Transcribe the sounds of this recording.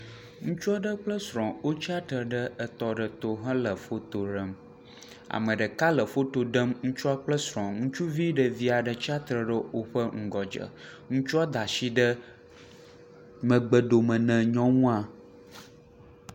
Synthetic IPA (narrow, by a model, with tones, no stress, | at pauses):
ŋũ˦t͡ʃu˦ɔ˦ɖə˦k͡plə˦sɾɔ̃˨wo˦t͡ʃi˦a˦t̪ɾə˨ɖə˦ə˨t̪ɔ˨ɖə˨t̪o˨ɦə̃˦lə˨fo˦t̪o˨ɖə˦m | a̰˨mə̃˨ɖə˨ka˦lə˨fo˦t̪o˨ɖə˦mŋũ˦t͡ʃu˦a˦k͡plə˦sɾɔ̃˨ŋũ˦t͡ʃu˦vi˦ɖə˨vi˦a˨ɖə˨t͡ʃi˦a˦t̪ɾə˨ɖə˦wo˦ɸə˦ŋ̩˦ɡɔ˨d͡ʒə̰˨ | ŋũ˦t͡ʃu˦a˦d̪a˨ʃi˦ɖə˦ | mə̃˨ɡ͡bə˨ɖo˨mə̃˨nɛ̃˨ɲɔ̃˦ŋũ˦a˨